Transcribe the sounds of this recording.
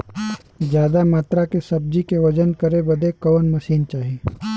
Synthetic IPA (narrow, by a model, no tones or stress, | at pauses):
d͡ʒjaːd̪amaːt̪ɾakesɐb̚d͡ʒikeʋɐd͡ʒənkɐɾebɐd̪ekɐʋənmɐsiːnt͡ʃaːɦiiː